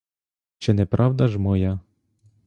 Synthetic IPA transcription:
t͡ʃɪnɛpɾɑwd̪ɐʒmɔja

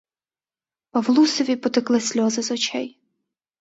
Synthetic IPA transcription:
pɐwlˠusɔʋʲipɔt̪ɪklˠɪsʲlʲɔzɪzɔt͡ʃɛ̰j

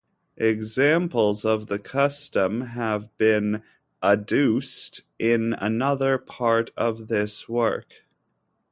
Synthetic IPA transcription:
ʔɪɡzæ̃mpl̩ˠzʌvðɨkʰʌstə̃məvbɪ̃n | ʔədʉstʔɪ̃nə̰nʌðə˞pʰɑɹɾʌvðɪswɜ˞k

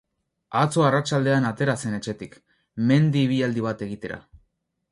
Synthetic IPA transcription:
at͡so̞arat͡ʃald̪e̞anat̪e̞ɾase̞ne̞t͡ʃe̞t̪ik | me̞nd̪iːβ̞iald̪iβ̞at̪e̞ɣit̪e̞ɾa̰

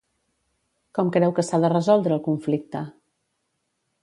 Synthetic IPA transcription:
kɔmkɾɛwkəsaðərəzɔlˠd̪ɾəːlˠkuɱflik̚t̪ə

